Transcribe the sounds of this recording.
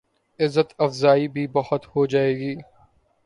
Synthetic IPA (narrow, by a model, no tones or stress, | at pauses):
ɪzːət̪ɐfzaːibʱibɐɦʊt̪hod͡ʒaːeːɡiː